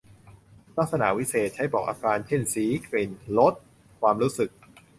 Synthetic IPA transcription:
la˦˥k̚sa˧na̰ː˩˦wi˦˥seː˨˩t̪̚t͡ɕʰa˦˥jbɔː˨˩k̚ʔa̰ː˧kaː˧nt͡ɕʰe˥˩nsiː˩˦kɾiː˧˩nlo˦˥t̪̚ | kʰwaː˧mɾuː˦˥sɯ˨˩k̚

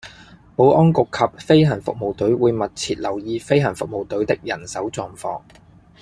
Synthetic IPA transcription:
mo˨˧wʔɔː˥nkʊ˨kʰːɐ˨p̚fe˥jɦɐ˨˩nfʊ̰˨k̚mo˨wt̪ɵ˨˥ɥwuː˨˧jmɐ˨t̚t͡sʰiː˨t̚lɐ˨˩wjiː˧fe˥jɦɐ˨˩nfʊ˨k̚mo˨wt̪ɵ˨˥ɥt̪ɪ˥k̚jɐ˨˩nsɐ˨˥wt͡sɔː˨˩ŋfɔ̰ː˧ŋ

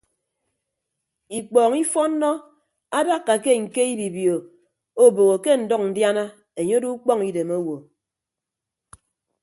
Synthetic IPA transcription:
i˨k͡pɔː˨ŋi˦fɔ˦nː˦ɔ˦ | a˦da˦kːa˨ke˦ŋ̩˨ke˦i˦bi˨bjo˨ | o˦bo˨ɣo˨ke˦n̩˨dɔ˦k̚n̩˨dja˦na˦ | e˨ɲo˦du˦k͡pɔ˦ŋi˨de˨mo˦wo˨

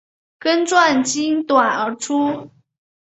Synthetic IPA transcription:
kə˦nʈ͡ʂwa˥˩nt͡ɕi˥nt̪wa˨˩nə˧˥ʈ͡ʂʰu˥

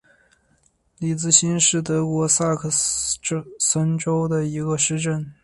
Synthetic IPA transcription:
li˨˥˩t͡sɹ̩˥˩ɕi˥nʂɻ̩˥˩t̪ɤ˧˥kwɔ˧˥sa˥˩kʰə˥˩ | sə˥nʈ͡ʂo˥ʊd̪ə˨i˧˥ɡə˧ʂɻ̩˥˧ʈ͡ʂə˥˩n

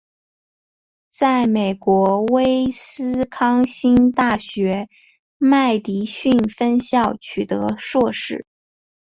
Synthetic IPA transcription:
t͡sa˥˩ɪme˨˩ɪkwɔ˧˥we˥ɪsɹ̩˥kʰɑ˥ŋɕi˥nt̪a˥˩ɕɥɛ˧˥ | ma˥˩ɪt̪i˧˥ɕy˥˩nfə˥nɕjɑ˥˩ʊt͡ɕʰy˨˩t̪ɤ˧˥ʂwɔ˥˧ʂɻ̩˥˩

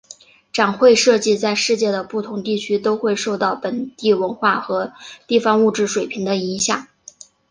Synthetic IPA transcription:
ʈ͡ʂa˨˩nxwe˥˧ɪʂɤ˥˧t͡ɕi˥˧t͡sa˥˧ɪʂɻ̩˥˧t͡ɕjɛ˥˩d̪ə˩pu˥˩t̪ʰʊ˧˥ŋt̪i˥˩t͡ɕʰy˥t̪o˥ʊxwe˥˧ɪʂo˥˧ʊt̪ɑ˥˩ʊpə˨˩nt̪i˥˩wə˧˥nxwa˥˩xɤ˧˥t̪i˥˩fɑ˥ŋu˥˩ʈ͡ʂɻ̩˥˩ʂwe˨˩ɪpʰi˧˥ŋd̪ə˧i˧˥ŋɕjɑ˨˩˦ŋ

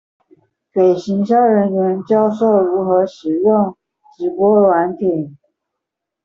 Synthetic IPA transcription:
pe˨˩ɪɕi˧˥ŋɕjɑ˥ʊɻə˧˥nɥɛ˧˥nt͡ɕjɑ˥ʊʂo˥˩ʊɻu˧˥xɤ˧˥ʂɻ̩˨˩jʊ˥˩ŋ | t͡ɕi˧˥pwɔ˥lwa˧˥nt̪ʰi˨˩˦ŋ

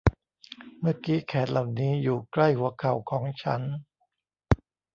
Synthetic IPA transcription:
mɯ˥˩kiː˦˥kʰɛː˩˦t̪̚lʔa˨˩wniː˦˥juː˨˩kla˥˩jhu˩˦ɐkʰa˨˩wkʰɔː˨˩˦ŋt͡ɕʰa̰˦˥n

